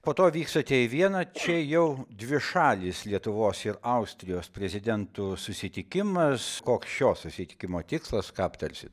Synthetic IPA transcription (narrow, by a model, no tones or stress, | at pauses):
poːt̪oːʋʲiːkst̪ɐt̪ʲɛɪʋʲiɛnɐt͡ʃʲɛjɛʊd̪ʲʋʲɪʃɑːlʲɪslʲiɛt̪ʊʋoːsɪɾɐʊsʲt̪ʲɾʲɪjoːspʲɾʲɛzʲɪd̪ʲɛnt̪ʊsʊsʲɪt̪ʲɪkʲɪmɐskoːksʃʲoːsʊsʲɪt̪ʲɪ̥kʲɪmoːt̪ʲɪkslˠɐskɑːpt̪ɐɾʲsʲɪt̪